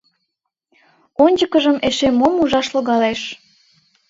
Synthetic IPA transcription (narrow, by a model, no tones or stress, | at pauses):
onʲd͡ʑəkəʒəmeʃemomuʒɑʃloɣɑleʃ